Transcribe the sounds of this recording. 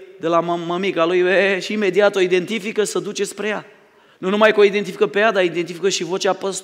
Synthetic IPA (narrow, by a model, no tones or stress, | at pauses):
d̪e̞lamaməmikalujeʃiːme̞d̪iat̪o̞id̪e̞nt̪ifikəsəd̪ut͡ʃe̞spɾe̞ja | nunumajkəo̞id̪ent̪ifi̥kəpe̞jad̪aid̪e̞nt̪ifikəʃivo̞t͡ʃapəs